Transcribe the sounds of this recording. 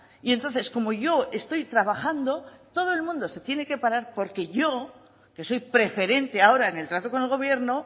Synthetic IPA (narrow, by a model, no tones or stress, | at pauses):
ient̪o̞nθe̞sko̞mo̞ʝo̞e̞st̪o̞jt̪ɾaβaxand̪o̞t̪o̞ð̞o̞e̞lmũnd̪o̞se̞t̪je̞ne̞ke̞paɾaɾpo̞ɾke̞ʝo̞ | ke̞so̞jpɾe̞fe̞ɾe̞nt̪e̞ao̞ɾaene̞lt̪ɾat̪o̞ko̞nelɣo̞βje̞ɾno̞